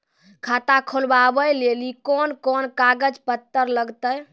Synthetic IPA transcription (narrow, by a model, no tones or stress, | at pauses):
kʰat̪akʰolbabəjlelikɔnkɔnkaɡəd͡ʒpət̪ːəɾləɡt̪əj